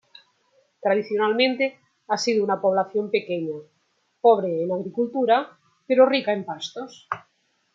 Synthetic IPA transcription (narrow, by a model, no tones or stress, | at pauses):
t̪ɾað̞iθjonalmẽnt̪e | asiðounapoβ̞laθjompekeɲa | poβ̞ɾeːnaɣɾikult̪uɾa | peɾorikaempast̪os